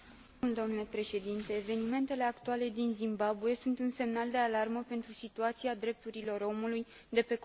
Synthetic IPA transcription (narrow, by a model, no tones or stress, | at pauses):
uld̪oamnlepɾe̞ʃe̞d̪int̪e̞ːve̞nime̞nt̪e̞le̞akt̪uale̞d̪inzimbabuje̞sunt̪unse̞mnald̪e̞alarməpe̞nt̪ɾusit̪uat̪siad̪ɾe̞p̚t̪uɾilo̞ro̞muluj | d̪e̞pe̞k